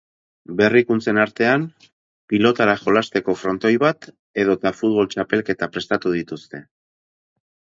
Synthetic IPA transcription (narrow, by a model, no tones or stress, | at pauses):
be̞rikunt͡se̞naɾt̪e̞am | pilo̞t̪aɾaʝo̞last̪e̞ko̞fɾo̞nt̪o̞jβat̪ | e̞ð̞ot̪afut̪β̞o̞lt͡ʃape̞lke̞t̪apɾe̞st̪at̪uð̞it̪ust̪e̞